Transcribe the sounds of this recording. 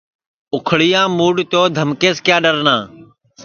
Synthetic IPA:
ʊkʰɽiːjãːmuːɖt̪oːd̪ʱəmkeːskjaːɗəɾnãː

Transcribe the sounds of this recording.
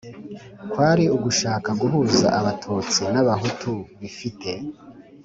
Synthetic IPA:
kwaːɾiuɡuʃaːkaɡuɦuːza̰ʔaβatʰuːt͡sinaβaɦutʰuβifite̞

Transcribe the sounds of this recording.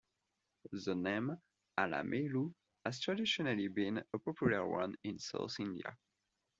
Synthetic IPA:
ðənẽm | ala̰mʔelu | haz̥tʰɹadiʃɔnalibĩnəpɔpʰjuləɹwã̰nĩnsa̰ʊθĩndia̰

